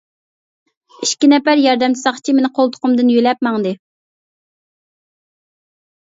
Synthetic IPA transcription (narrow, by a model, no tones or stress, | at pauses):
iʃkʲinɛpæɾjɑɾd̪ɛmt͡ʃ̪ʰɪ̥sɑχt͡ʃʰimenɪqʰolˠt̪ʰʊ̥qʰʊmd̪ɨnjølɛp̚mɑŋd̪ɨ